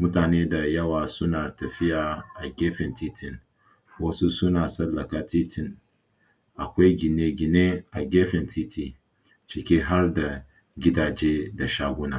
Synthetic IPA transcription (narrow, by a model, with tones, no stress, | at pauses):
mʊ˦taː˨neː˦da˨jɐ˦waː˨sʊ˦naː˨tɐ˨ɸɪ˦jaː˨ʔa˨ɡʲeː˦ɸɪ˨ntiː˦tʰɪ˦˨n | wɐ˦su˦sʊ˦naː˨sɐ˦lːɐ˨kaː˨tiː˦tɪ˨n | ʔa˨kʷa˦jɡʲɪ˨ne˦ɡʲɪ˨ne˦ʔa˨ɡʲeː˦ɸɪ˨ntiː˦tʰi˨ | t͡ʃɪ˨kʲeː˦ɦa˦rda˨ | ɡʲɪ˦daː˨d͡ʒeː˦da˨ʃaː˦ɡʷʊ˦naː˦